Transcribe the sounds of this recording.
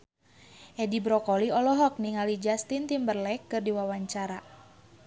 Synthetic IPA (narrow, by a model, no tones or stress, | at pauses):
ʔɛdibɾɔkɔliɔlɔɦɔk̚niŋalid͡ʒast̪int̪imbərlɛkːɨrdiwawaɲt͡ʃaɾa